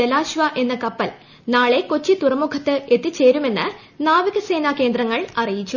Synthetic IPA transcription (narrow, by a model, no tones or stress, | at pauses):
elaːɕʋɐʔe̞nːɐkɐpːɐl | naːɭe̞kot͡ɕːit̪urɐmukʰɐt̪ːɨe̞t̪ːit͡ɕːe̞ːɾume̞nːɨ | naːʋiɣɐse̞ːnake̞ːnd̪rɐŋːɐɭɐrijit͡ɕːu